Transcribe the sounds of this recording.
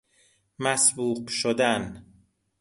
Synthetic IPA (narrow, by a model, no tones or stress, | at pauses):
mæsbuːqʃod̪æn